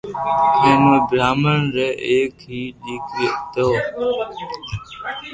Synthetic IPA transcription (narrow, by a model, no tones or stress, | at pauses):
kẽːmebʱɾaːməɳɾeːʔeːkɦiːɗiːket̪oː